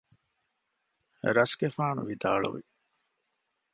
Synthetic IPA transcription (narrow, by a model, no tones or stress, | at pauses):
ɾɐsɡefaːnṵʋid̪a̰ːɭṵʋḭ